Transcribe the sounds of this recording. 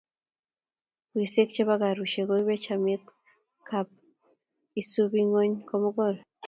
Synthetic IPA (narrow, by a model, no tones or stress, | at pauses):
βwisekt͡ʃeβaɡaɾuʃeɡoiβet͡ʃamet | kʰap̚ | isuβiŋoɲkomuɡoɾo